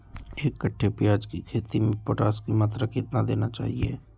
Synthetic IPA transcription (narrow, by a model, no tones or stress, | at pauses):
eːkːəʈʰːepjaːd͡ʒkikʰeːt̪imẽpoʈaːskimaːt̪ɾəkɪt̪nad̪eːnat͡ʃa̰ːɦiḛː